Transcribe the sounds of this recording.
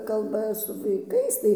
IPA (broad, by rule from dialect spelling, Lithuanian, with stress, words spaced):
ˈkɐlˠbɐ sʊ ʋɐɪˈkɐɪs tɐɪ